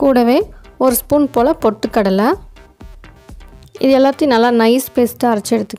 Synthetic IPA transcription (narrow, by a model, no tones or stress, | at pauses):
kuːɽɐʋeːɔɾɯspuːnpoːlɐpɔʈːɯkːɐɽɐlɐ | ɪ̰ðɯɛlːaːt̪ːijnɐlːaːnɐɪspeːsʈːɐɾɐt͡ʃːɛɽɯt̪ːɯkː